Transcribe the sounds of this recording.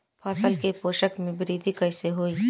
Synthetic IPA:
pʰaːsəlkepoːʃəkmẽbɪɾiːd̪ʱikəɪseɦoːiː

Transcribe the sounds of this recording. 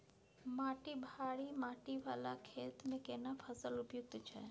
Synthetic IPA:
maʈibʱaɭimaʈiʋalakʰet̪mẽkenafʰəsəlupjuk̚t̪t͡ʃʰe

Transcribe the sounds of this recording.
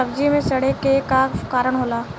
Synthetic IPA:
ɐbd͡ʒimẽsɐɽekekakaːɾəɽ̃ɦoːlaː

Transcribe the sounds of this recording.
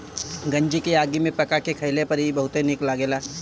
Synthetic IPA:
ɡɐ̃ɲd͡ʒikeaːɡimẽpɐkakekʰɐɪlepɐɾibɐɦʊt̪enɪklaɡeːlaː

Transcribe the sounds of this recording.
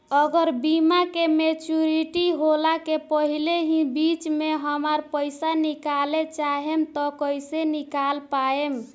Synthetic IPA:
əɡəɾbimakemet͡ʃuɾiʈiɦolakepəɦileɦĩbit͡ʃmeɦəməɾpəɪsanikalet͡ʃaɦemt̪ɔkəjsenikalpaem

